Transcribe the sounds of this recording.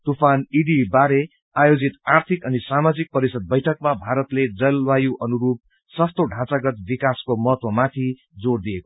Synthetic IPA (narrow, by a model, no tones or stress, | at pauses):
t̪upʰaniɖibaɾe | ajod͡zit̪art̪ʰikʌnisamad͡zik̚pʌɾisʌd̪̚bʌjʈʰʌk̚mabʱaɾʌt̪led͡zʌlwajuʔʌnuɾup̚ | sʌst̪oɖʱãt͡saɡʌt̪̚bikaskomʌɦʌt̪wʌmat̪ʰi | d͡zord̪ijeko